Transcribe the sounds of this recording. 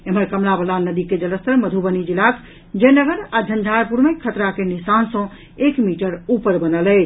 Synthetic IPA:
eməɾkəmlabəlanəd̪iked͡ʒələst̪əɾməd̪ʱubənid͡ʒilakʰ | d͡ʒenəɡəɾad͡ʒʱənd͡ʒʱaɾpuɾmekʰət̪ɾakenisansə̃ | ekmiʈəɾupəɾbənəlɛ

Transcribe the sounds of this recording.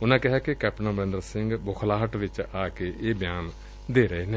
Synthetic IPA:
ʊnãːkɪɦɛːkekɛːpnãːbəɾẽnd̪əɾsɪ̃ŋɡbʊkʰlaːɦəʈʋɪt͡ʃaːkeʔeːbjaːn | d̪eːɾəeːnẽː

